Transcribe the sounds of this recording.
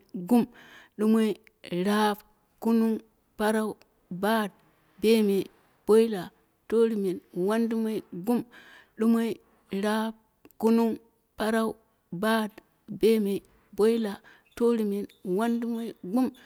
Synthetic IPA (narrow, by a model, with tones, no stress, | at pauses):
ɡu˦mɗu˦mo˦i˦ | ɾa˦p | ku˦nu˦ŋ | pa˦ɾa˦u˦ | ba˦˨d̚ | be˦me˨ | b̥o˦i˦la˨ | to˦ɾi˨me˨nwa˦ndu˦mo˦i˦ɡu˦mɗu˦mo˦i˦ | ɾa˦p̚ | ku˦nu˦ | pa˦ɾa˦u˦ | ba˦˨d | be˦me˨ | bo˦i˦la˨ | to˦ɾi˨me˨nwa˦ndu˦mo˦i˦ɡu˦m